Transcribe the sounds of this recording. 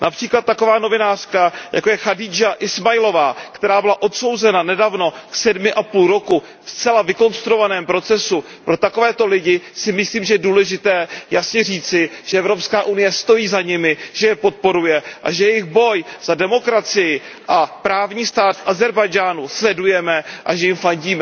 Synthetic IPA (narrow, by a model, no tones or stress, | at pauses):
nʔapr̥iːklat̪̚ːako̞vaːno̞vɪnaːr̥kaja̰ko̞jɛxadɪd͡ʒaʔɪsmajɪlo̞vaːkt̪ɛɾaːbɪlaʔo̞t̪so̞wzɛnanɛdavno̞ksɛdmɪʔapuːlɾo̞ku | fst͡sɛlavɪko̞nst̪ɾuo̞vanɛːmpɾo̞t͡sɛsu | pɾo̞t̪ako̞vɛːt̪o̞lɪɟɪsɪmɪsliːmʒɛjɛduːlɛʒɪt̪ɛːjasɲɛr̝iːt͡sɪʒ̥ɛɛvɾo̞pskaːʔunɪjɛst̪o̞jiːzaɲɪmɪʒ̥ɛjɛpo̞t̪̚po̞ɾujɛʔa̰ʒɛjɛjɪxbo̞jz̥adɛmo̞kɾat͡sɪjɪ | ʔapɾaːvɲiːst̪aːt̪fʔazɛɾbajd͡ʒaːnuslɛdujɛmɛʔaʒɛjɪmfaɲɟiːmɛ